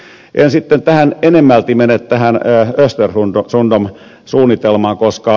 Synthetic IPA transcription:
ʔensit̪ːent̪æhænenemːælt̪imenet̪t̪æhænːøst̪erhundosundom | suːnːit̪elmɑːŋkoskɑ

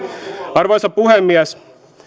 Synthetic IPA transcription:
ɑɾʋosɑpuɦemːiɛs

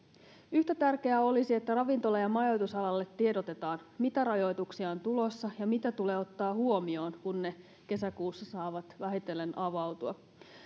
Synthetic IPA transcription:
yçt̪æt̪ærke̞æo̞lisie̞t̪ːærɑʋint̪o̞lːejɑmɑjo̞jt̪usɑlɑlːet̪ːieɾot̪e̞t̪ɑːnmit̪æɾɑjo̞jt̪uksiɑont̪ulo̞sːɑjɑmit̪æt̪ule̞ːo̞t̪ːɑːhuo̞mio̞ːnkunːe̞ | ke̞sækuːsːɑsɑːʋɑt̪ʋæɦit̪e̞lːe̞nʔɑʋɑwt̪uɑ

